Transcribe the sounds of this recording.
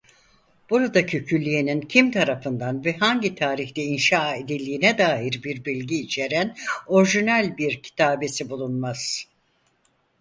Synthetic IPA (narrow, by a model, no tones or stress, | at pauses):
b̥uɾad̪acʰøcʰylʲːijenincʰimt̪ʰaɾafɯnd̪anvɛɦaɲɟit̪ʰaːɾiçt̪ɛinʃaːe̞d̪ilʲːiːnɛd̪aːɦiɾbiɾbilʲɟiːt͡ʃʰe̞ɾæno̞ɾʒinælʲbiɾcʰi̥t̪ʰaːbe̞sibulˠunmaz̥